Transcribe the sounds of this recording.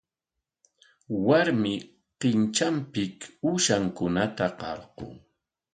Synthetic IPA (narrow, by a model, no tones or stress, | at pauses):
waɾmɪ | qɪnt͡ʃampɪkʊʃaŋkʊnat̪aqɑ̰ɾqo̰ŋ